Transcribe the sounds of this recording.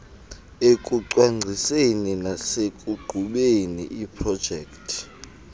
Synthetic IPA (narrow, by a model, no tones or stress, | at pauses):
ekʼuǀwaŋ͡ǀʱiseninasekʼuɡ͡ǃʱuɓeniʔipʰrɔd̥ʒ̥ʱɛːktʰi̥